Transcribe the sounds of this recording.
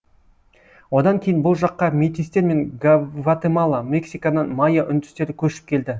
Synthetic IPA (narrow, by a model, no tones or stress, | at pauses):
wo̞d̪ɑŋkʲʰe̞jɪnbʊlˠʒɑqːɑmit̪ijst̪e̞ɾme̞ŋɡvat̪emɑlˠɑmʲe̞ksijkanɑnmɑjaʔʏnd̪ɪ̥st̪e̞ɾɪkʲʰɵʃɪ̥p̚kʲʰe̞ld̪ɪ